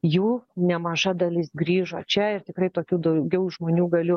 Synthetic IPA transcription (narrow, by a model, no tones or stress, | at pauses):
juːnʲɛmɐʒɐd̪ɐlʲɪsɡɾʲiːʒo̰ːt͡ʃʲɛɪrt̪ʲɪkɾɐɪt̪oːkʲuːd̪ɐʊɡʲɛʊʒmoːnʲuːɡɐlʲʊ